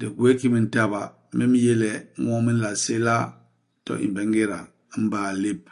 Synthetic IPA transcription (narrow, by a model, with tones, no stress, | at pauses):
de˨ɡwe˦ki˦mi˨n̩˦ta˦βa˨˦ | me˦mi˦je˦lɛ˨˦ŋo˦mi˦n̩˦la˨se˦la˦ | tɔ̰˦˨ʔḭ˨m˨be˨˦ŋ˦ɡe˦ɾa̰˨˦ | m̩˦ba˦˨le˦p̚